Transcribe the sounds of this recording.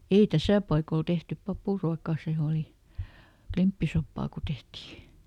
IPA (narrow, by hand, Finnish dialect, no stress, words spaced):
ei tæsæˑ pɑikol tehtyp pɑpuˑruɑkɑˑ seˑ oli klimpːisopːɑː ku tehtiː